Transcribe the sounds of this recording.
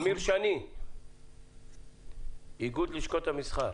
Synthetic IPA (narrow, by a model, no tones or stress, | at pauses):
miɾʃani | iɡud̪liʃkot̪hamisχa